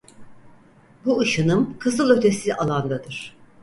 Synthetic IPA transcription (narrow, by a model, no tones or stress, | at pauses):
buɯʃɯnɯmkʰɯzɯlˠø̞t̪ʰe̞sialˠand̪ad̪ɯɾ̥